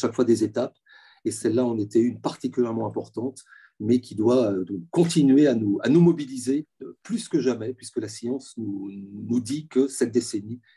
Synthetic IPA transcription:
ʃakfwad̪ezet̪ap | esɛlːaɑ̃net̪ɛynpaʁt̪ikʲyljɛʁmɑ̃ɛ̃pɔʁt̪ɑ̃t̪ | mɛkʲid̪waøkɔ̃t̪inɥeanua̰numɔbilizeplyskəʒamɛpɥiskəlasjɑ̃snunud̪ikəsɛt̪̚d̪eseni

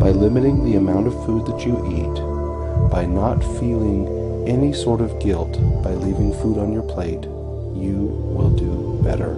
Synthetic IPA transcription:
b̥aɪlɪ̃mɨɾɪ̃ŋðiɨmãʊ̃ntʌv̥fud̪̚ðɨt͡ʃɨʔit | b̥aɪnətfilˠɪ̃ŋ | ɛnisɔɹɾʌvɡɪlˠtb̥aɪlivɪ̃ŋfuɾn̩jə˞pʰl̥eɪt | jɨ | wɪ̰lˠdɨb̥ɛ̰ɾə̰˞

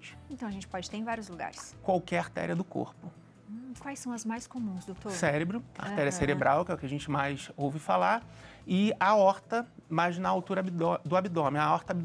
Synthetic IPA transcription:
d͡ʒẽnt̪ɐ̃w̃ɐʒẽnt͡ʃɪ̥pɔd͡ʒɪt̪eɾẽvaɾjʊzluɡa̰ɾɪskwawkɛɾaht̪ɛ̰ɾiɐd̪ʊko̰ɾpʊ̃ | kwajsːɐ̃w̃ɐzmajskomũzd̪ot̪osɛɾebɾʊa̰ɾt̪ɛɾiɐseɾebɾʔawkɪɛʊkɪaʒẽnt͡ʃɪmajsowvɪfalaɾ | ɪaɔɾt̪ɐmajznɐawt̪uɾɐabid̪od̪ʊabid̪õmɪɐɔɾt̪ɐabi

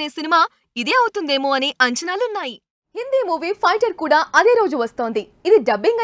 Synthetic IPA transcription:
eːsinimaː | id̪e̞ːɐwut̪und̪eːmoːɐneːʔɐɲt͡ʃɐnaːluːnːaːji | hind̪iːmuːʋiːpʰɐjʈɐɾkuːɽaːɐd̪e̞ːɾo̞ːd͡ʒuʋɐst̪o̞ːnd̪iid̪iɖɐbiŋɡɐ

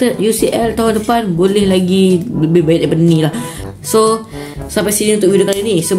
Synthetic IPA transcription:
t̪əjusiʔɛlt̪aɦʊndəpanbolɛhlaɡibəbajɪt̪̚dapadənĩlah | so | sampajsinĩunt̪ʊk̚widokaɾinĩsə

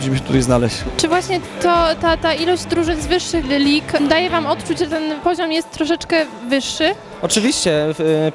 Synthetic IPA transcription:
d͡ʑimɘɕ̬ɛt̪ut̪ajznalɛɕt͡ɕt͡ʂɘvwaɕɲɛt̪ɔt̪at̪ailɔʑd͡ʑd̪ɾuʐɘnzvɘʂːɘxlʲikd̪ajɛvamɔt̪t͡ʂud͡ʑʐɛt̪ɛnpɔʑɔmjɛst̪ːɾɔʂɛt͡ʂkɛvɘʂːɘ | ɔt͡ʂɘvʲiɕt͡ɕɛ

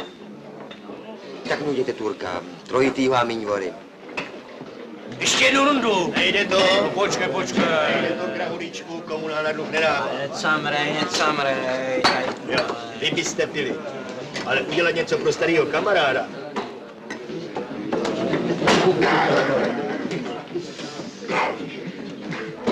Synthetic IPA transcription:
t̪aknuɟɛt̪ɛt̪uɾka̰t̪ɾojɪt̪iːvaːmiɲvoɾɪ̰ | ɛʃcɛjɛduɾundunɛjdɛt̪opot͡ʃkajpot͡ʃkaɛjdɛt̪oɡɾaɦulit͡ʃkukomunaːnadnoxnɛdaːɛsamɾɛɛt͡samɾɛajo | vɪbɪst̪ɛbɪlɪ | ʔalɛʔuɟɛlat̪ɲɛt͡sopɾost̪aɾiːɦo̞kamaɾaːda

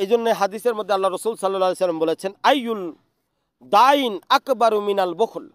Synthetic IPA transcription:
ed͡ʒonːeɦad̪iseɾmod̪ːealːaɾɔsulsalːalːalesalːambolet͡ɕʰenajːul | d̪ainakbaɾuminalbɔkʰul

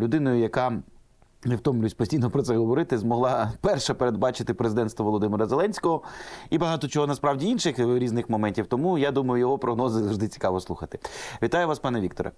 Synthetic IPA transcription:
lʲʊd̪ɪnɔjʊjɐkɑ | newt̪ɔmlʲsʲpɔsʲijnɔpɾɔt̪sɛɦɔʋɔɾɪt̪ɪzmɔɦlˠɑpɛrʃɛpeɾed̪̚bɑt͡ʃɪt̪ɪpɾezɪd̪ɛnt̪st̪ʋɔʋɔlˠɔd̪ɪmɪɾɐzelˠɛnʲsʲkɔɦɔibɐɦɑt̪ɔt͡ʃɔɦɔnɐspɾɑwdʲiinʃɪxɾʲiznɪxmɔmɛnʲtʲiwt̪ɔmujad̪umɐjʊjɔɦɔpɾɔɦnɔzɪzɐʋʐd̪ɪt͡sʲi̥kɑʋɔslˠuxɐt̪ɪ̥ʋʲit̪ɑjʊʋɑspɑnɛʋʲik̚t̪ɔɾɐ̰

